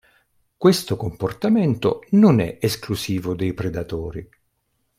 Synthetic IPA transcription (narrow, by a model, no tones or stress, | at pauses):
kwest̪okomport̪amɛnt̪o̰nonɛ̰esklusiːvod̪ejpɾed̪at̪oːɾi